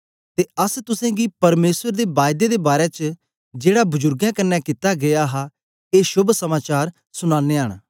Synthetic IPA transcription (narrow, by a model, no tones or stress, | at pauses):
t̪eːəst̪ʊsɛ̃ːɡipɐɾmeːswəɾd̪eːbaːjd̪ed̪ebaːɾɛt͡ʃ | d͡ʒeːɽaːbʊd͡ʒʊɾɡjãːkənːɛ̃kɪt̪aːɡejaːɦaː | eːʃʊbsəmaːt͡ʃaːɾ | sʊñãːnːeːɦəɽ̃